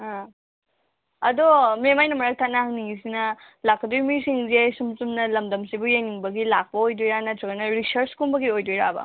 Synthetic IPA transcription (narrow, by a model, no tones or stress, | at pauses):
ɦa | ɐdomemajnɐmɐɾɐk̚tʰanaɦaŋniŋis̬inɐ | lak̚pɐdujmisiŋzesumsumnɐlɐmdɐmsibujeniŋbɐɡilak̚pɐojdujɾanɐtɾuɡɐnɐɾisɐɾskumbɐɡiojdujɾabɐ̰